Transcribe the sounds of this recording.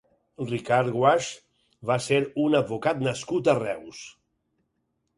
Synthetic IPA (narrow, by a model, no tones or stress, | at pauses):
rikaɾɣwaʃ | βaseɾunəd̪̚βukat̪nəskut̪ərɛws